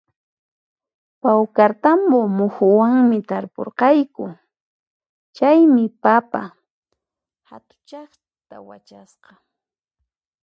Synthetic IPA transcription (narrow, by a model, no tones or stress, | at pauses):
pawkaɾt̪ambomʊxʊwaŋmɪt̪aɾpo̰ɾqɑjkʊ | t͡ʃajmɪpapa̰ | ha̰t̪ʊ̥t͡ʃɑχ | t̪awa̰t͡ʃasqɑ